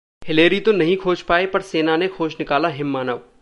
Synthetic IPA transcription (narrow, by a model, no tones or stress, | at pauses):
hɪleːɾit̪onɐɦĩkʰoːt͡ʃpaːepɐɾseːnanekʰoːʃnɪkaːlaɦɪmːaːnəʋ